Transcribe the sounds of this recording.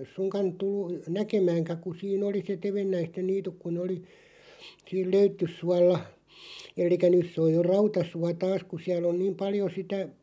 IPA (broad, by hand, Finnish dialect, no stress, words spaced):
suŋkɑn tulːu nækemæːŋkæ ku siːn oli se teʋenːæisten niːtuk ku ne oli siːl løytːysːuɑlːɑ elˑikæ nys se oj jo rɑutɑsuɑ tɑːs ku siæl on niːm pɑljo sitæ